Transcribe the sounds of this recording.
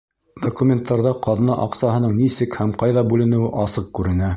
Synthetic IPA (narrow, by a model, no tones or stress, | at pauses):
d̪̥okumʲent̪ːɑɾðɑqɑðnɑʔɑqsɑɦɤ̆nɤɴnisɘkhæmqɑjðɑbʉlɘ̆nɘ̆wɘʔɑsɤq̚kʉɾɘ̆næ